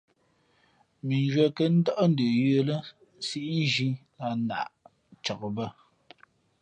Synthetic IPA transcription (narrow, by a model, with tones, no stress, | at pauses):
mi˨n˦d͡ʒwɛ˨kə˦n̩˦də˦ʔn̩˦də˨jə˦lə˦ | si˦ʔn̩˦ʒi˦la˨na̰˨ʔ | t͡ʃə˨kbə˦˨